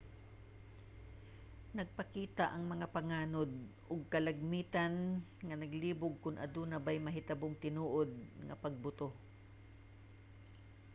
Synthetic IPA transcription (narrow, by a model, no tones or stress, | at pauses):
nɐɡ̚pɐkiːt̪aʔɐŋmɐŋapɐŋaːnod̪̚ʔʊɡ̚kɐlɐɡ̚miːt̪anŋɐnɐɡliːbʊɡ̚kʊnʔɐ̰d̪unɐbajmɐɦɪt̪ɐboŋt̪ɪnuːʔod̪̚ŋɐ̰pɐɡ̚bʊt̪o